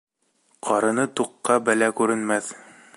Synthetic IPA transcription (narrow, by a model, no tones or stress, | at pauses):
qʰɑɾɤ̆nɤt̪uqːɑbælækʉɾɘ̆nmæθ